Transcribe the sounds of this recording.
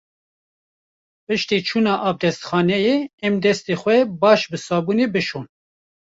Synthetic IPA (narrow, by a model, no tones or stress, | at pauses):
pɨʃt̪iːt͡ʃʰuːnɑːʔɑvd̪ɛst̪xɑːnɛjeːɛmd̪ɛst̪eːxʷɛbɑːʃbɨsɑːbuːneːbɨʃoːn